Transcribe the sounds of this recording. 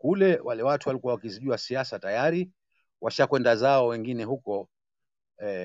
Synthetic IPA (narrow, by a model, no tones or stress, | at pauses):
kulɛwalɛwatuwalikuwawakiziʄuasiasatajaɾi | wʔaʃakwɛndazaɔwɛŋɡinɛhukɔ | ɛ